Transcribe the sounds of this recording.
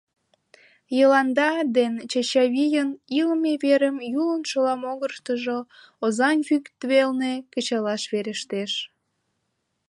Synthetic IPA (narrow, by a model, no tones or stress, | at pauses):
jəlɑnd̪ɑd̪ent͡ɕeɕɑβijəniləmeβeɾəmjulənʃolɑmoɣərʃt̪əʒo | ozɑnɣykt̪βelnekət͡ɕɑlɑʃβeɾeʃt̪eʃ